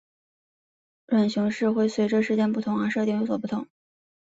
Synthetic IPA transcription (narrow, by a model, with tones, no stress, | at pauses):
lwa˨˩nɕjʊ˧˥ŋʂɻ̩˥˧xwe˥˩ɪswe˧˥ɪʈ͡ʂə˧˥ʂɻ̩˥˧t͡ɕjɛ˥˧npu˥˩t̪ʰʊ˧˥ŋə˞˧˥ʂɤ˥˧i˥˩ŋjo˧˥ʊswɔ˨˩pu˥˩t̪ʰʊ˧˥ŋ